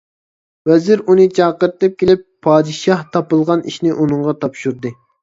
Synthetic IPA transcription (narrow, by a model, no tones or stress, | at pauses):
wɛzɪɾunɨt͡ʃʰɑːqəɾɨt̪ɨp̚kʲʰelɪpʰːɑːd̪ɨʃɑht̪ʰɑpɨlˠʁɑniʃnɪʔunɨɴʁɑt̪ʰɑpʃuɾd̪ɨ